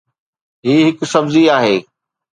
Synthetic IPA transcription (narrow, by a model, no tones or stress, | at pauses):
ɦiːɦɪksɐbziaːɦeː